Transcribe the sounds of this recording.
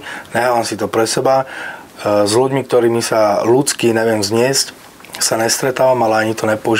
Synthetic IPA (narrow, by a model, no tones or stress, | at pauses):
nɛɦaːʋamsit̪ɔpɾɛsɛba | zluɟmik̚t̪ɔɾiːmisalut͡skinɛʋɪɛmzɲɪɛsc | saɲɛst̪ɾɛt̪aːʋamalɛaɲit̪ɔɲɛpɔuʒ